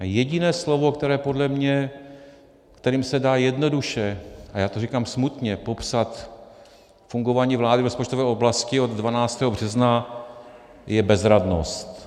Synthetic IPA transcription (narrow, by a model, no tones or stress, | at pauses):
jɛɟɪnɛːslo̞vokt̪ɛɾɛːpo̞dlɛmɲɛ | kt̪ɛɾiːmsɛdaːjɛdno̞duʃɛʔajaːt̪orikaːmsmut̪ɲɛpo̞psat̪ | fuŋɡovaːɲiːvlaːdɪvɾospot͡ʃt̪o̞vɛːoblascɪo̞d̪dvanaːt͡st̪ɛːɦobr̝ɛzna | jɛbɛzɾadno̞̰st̪